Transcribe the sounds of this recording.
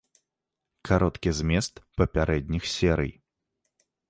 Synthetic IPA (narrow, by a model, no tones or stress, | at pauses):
kʰaɾɔt̪kʲizʲmʲɛst̪pɐpʲaɾʔɛd̪ʲnʲixsʲɛɾɨ̰j